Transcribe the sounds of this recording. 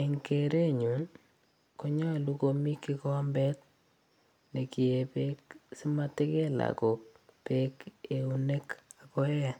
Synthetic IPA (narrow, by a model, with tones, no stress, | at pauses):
e˨ŋke˨ɾe˦ɲu˨ | ko˦ɲa˦lu˦komi˦kːi˦kɔ˦mbɛ˦t̚ | ne˨ki˨e˨pe˦k̚si˦ma˦te˦ke˦la̰ko˨k̚ | pe˦ke˨u˦ne˦ka˨kɔ˦ɛa˨